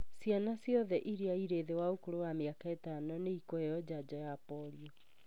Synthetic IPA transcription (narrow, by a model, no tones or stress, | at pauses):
sjanasjɔðɛʔiɾeaiɾeːðewaokoɾowameakaetaːnɔneikoejɔd͡ʑad͡ʑɔjapɔɾiɔ